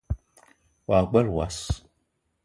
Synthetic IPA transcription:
waːk͡pʷɐrwa̰ːs

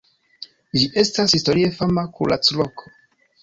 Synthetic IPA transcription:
d͡ʒiʔe̞stashisto̞ɾie̞famakunla̰t͡slokʰo̥

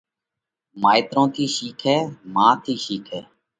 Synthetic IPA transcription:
maːɪt̪ɾõːt̪ʰiːʃiːkʰɛːmãːt̪ʰiːʃiːkʰɛ̰ː

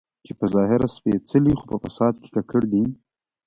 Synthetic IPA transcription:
t͡ʃepəzɑɦɪɾaspet͡səlixopəfasɑd̪ke̥kakəɽd̪i

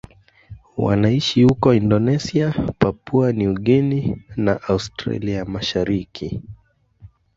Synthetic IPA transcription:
wa̰naiʃihukɔindɔnɛsiapapuaniuɠɛninaʔaustɾa̰liamaʃaɾikʰi

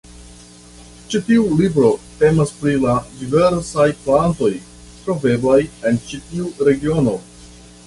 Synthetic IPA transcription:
t͡ʃitiulibɾo̞te̞maspɾiladive̞ɾsajplanto̞j | tɾo̞ve̞blaje̞nt͡ʃitiuɾe̞ɡio̞no̞

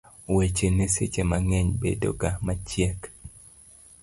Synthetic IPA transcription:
wet͡ʃeneset͡ʃemaŋɛɲbḛdo̰ɡamat͡ʃjɛk

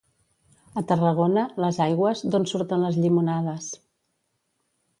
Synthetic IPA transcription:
ət̪ərəɣ̞onələzajɣwəzd̪onsuɾt̪ənləzʎimunaðəs

